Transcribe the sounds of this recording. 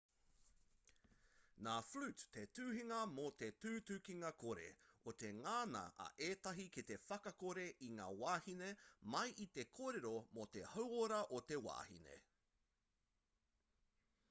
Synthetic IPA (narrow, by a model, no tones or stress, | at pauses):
naːflʉtːʰetʉːɦiŋɐmot̪etʉːtʉkiŋɐko̞ɾe̞̰ot̪e̞ŋaːnɐ̰ɐ̰ʔeːt̪ɐɦikit̪e̞fɐkɐkoɾe̞ʔiŋa̰ːwaːhinemɐjʔit̪e̞kʰoːɾeɾomot̪e̞hɐwoɾɐʔot̪e̞wa̰ːhḭnḛ